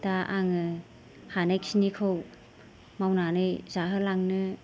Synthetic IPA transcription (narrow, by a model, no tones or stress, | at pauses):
taʔa̰ŋɯ | hanajksinikʰɯw | mawnanɯjzaɦɯlaŋnɯ